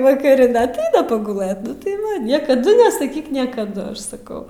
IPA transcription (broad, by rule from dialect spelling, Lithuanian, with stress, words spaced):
ʋɐkɐˈrʲɪ dɐ ɐtˈɐɪnɐ pɐɡʊˈlˠɘt ˈnʊ tɐɪ ˈʋɐ nʲiɛkɐˈdʊ nʲɛsɐˈkʲiːk nʲiɛkɐˈdʊ ˈɐʃ sɐˈkɐʊ